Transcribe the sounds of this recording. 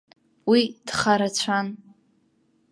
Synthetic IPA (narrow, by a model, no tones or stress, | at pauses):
wid̥χaɾat͡ɕʷʰan